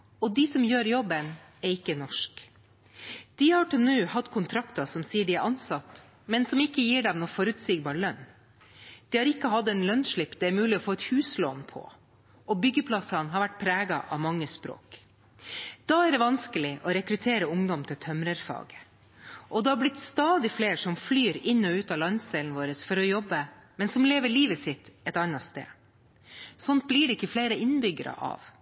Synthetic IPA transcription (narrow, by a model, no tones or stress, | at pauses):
ɔd̪ɪsɔmjøːɾjɔbən | ɛɾɪkːənɔʂk | d̪̥ihɑʈʉnʉːhɑd̪kʰʊnt̪ʰɾɑkt̪ɑsɔmsiːəɖɪæʔɑnsɑt̪ː | mɛnsɔmɪkːəjiːɖɛmnoːfɔɾʉːt̪siɡbɑːɾɭœn | d̪̥ɪːhɑːɾɪkːəɦɑd̪ɛnlœnʂɭɪpːd̪ɛæɾmʉːlɪɔfoːɛt̪hʉːsloːnpʰɔ̰ | ʔɔbʏɡːəpʰlɑsɑnɦɑɾʋæʈːpʰɾæːɡɑʔɑ̰ʋmɑŋːəspɾo̰ːk | d̪̥ɑːæɖɛʋɑnskəlɪʔɔɾɛkɾʉt̪ʰeːɾəʊŋd̪ɔmt̪ʰɪlt̪ʰœmɾəɾfɑ̰ːɡə̥ | ʔɔd̪ɛhɑɾblɪt̪st̪ɑːd̪ɪfleːʂɔmflyːɾɪnːɔʉːt̪ɑːlɑnsd̪ɛːln̩ʋoːɾəsfɔɾɔjɔbːəmɛnsɔmleːʋəɭiːʋəsɪt̪ːɛt̪ɑnːɑst̪ḛː | sɔnt̪̚bliːɖɛɪkːəfleːɾəʔɪnbʏɡəɾə̰ʔɑ̰ːʋ